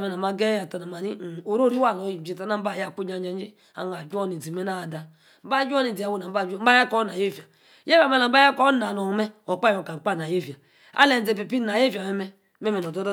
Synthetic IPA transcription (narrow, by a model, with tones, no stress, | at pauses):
me˨na˨ma˨ɡe˦a˨ta˨na˨ma˨ni˦˨o˨ɾo˦ɾi˦wa˦˨lo˨˦ji˨d͡ʒi˨a˦na˦m̩˦ba˦˨ja˦˨ku˦d͡ʒa˦d͡ʒa˦i˦ | a̰˨na˨d͡ʒo˦ni˨di˨me˦na˦˨da˨ | m̩˦ba˦d͡ʒɔ˦ni˨di˨a˨wo˦˨na˨m˦ba˦˨˦m̩˦ba˦ja˦kɔ˦na˨je˦˨va˨ | je˦a˨me˦la˨m̩˦a˦a˦kɔ˦na˨no˨me˦o˨k͡pa˦jo˨ka˨ŋ͡m̩˨k͡pa˦˨na˨je˦˨va˨ | a̰˦le˨n˨e˨pe˨pi˦na˨je˦vi˨a˨me˦me˦ | me˦me˨no˨do˦d